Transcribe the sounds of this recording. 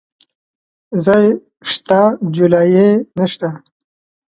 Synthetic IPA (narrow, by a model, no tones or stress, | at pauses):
zaj | ʂt̪ad͡ʒulajenəʃt̪a